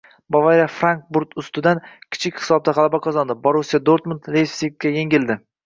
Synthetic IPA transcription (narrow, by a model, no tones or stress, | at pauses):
bavaɾafɾaŋk̚buɾt̪ʰʊst̪ɪd̪ankʲʰɪ̥t͡ʃʰɪkʲhɪ̥sɒb̚d̪aʁɑlˠabaqʰɒzɒnd̪ɪboɾusijad̪oɾt̪munt̪lefsik̚kʲːaje̞ŋʲɪld̪ɪ